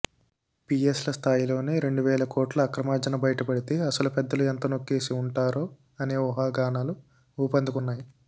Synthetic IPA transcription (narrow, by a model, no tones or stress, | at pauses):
piːeslɐst̪ʰaːjilo̞ːneɾe̞ɳɖuʋɛːlɐkɔːʈlɐːkɾɐmaːd͡ʒɐnɐbɐjɐʈɐpɐɽit̪eɐsɐlupɛd̪ːɐluent̪ɐno̞kːe̞ːsiuɳʈaːɾoː | ɐne̞ːɔɦaːɡaːnaːlu | uːpɐnd̪ʱikunːaːji